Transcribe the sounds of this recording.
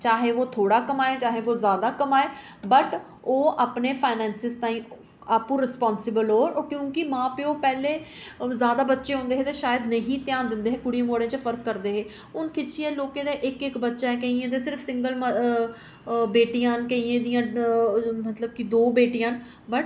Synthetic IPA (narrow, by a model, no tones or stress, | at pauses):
t͡ʃaːɦeːʋoːt̪ʰoːɽaːkəmaːeːt͡ʃaːɦeːʋoːzjaːd̪aːkəmaːeː | bəʈ | oːʔaːpneːpʰaːɪnɛːnsɪzt̪ãːĩː | aːpũːɾɪspɔːnsɪbəlɦoːɾkjõːkɪmãːpeːoːpɛːleːzjaːd̪aːbətːʃeːɦõːnd̪eːɦeːt̪eːʃaːjəd̪nəɦĩːt̪ɪjãːnd̪ɪnd̪eːɦeːkʊɽiẽːmoːɽẽːt͡ʃəpʰəɾkːəɾd̪eːɦeː | ʊnkɪt͡ʃʰiẽːloːkẽːd̪eːʔɪkɪkbətːʃaːɛkəiːẽːd̪eːsɪɾfʰsɪ̃ŋɡəlm | beːʈijãːnkəiẽːd̪ijãː | mət̪ləb̚kid̪oːbeːʈijãːn | bəʈ